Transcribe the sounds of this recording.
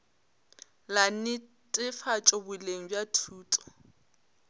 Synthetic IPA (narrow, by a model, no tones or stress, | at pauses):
lan̩nɪ | tʼɪfat͡ʃʼɔbʊleŋ̩bjatʰuːtʼɔ̥